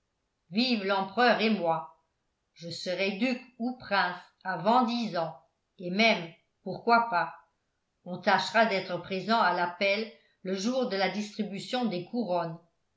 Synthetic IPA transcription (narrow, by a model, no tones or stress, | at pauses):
vivlɑ̃pχœːʁemwa | ʒəsəʁɛd̪ykupχɛ̃s | avɑ̃d̪izɑ̃ | emɛm | puʁkwapa | ɔ̃t̪aʃʁad̪ɛt̪χəpχezɑ̃alapɛlː | əʒuːʁd̪əlad̪ist̪χibysjɔ̃d̪ekʰuʁɔn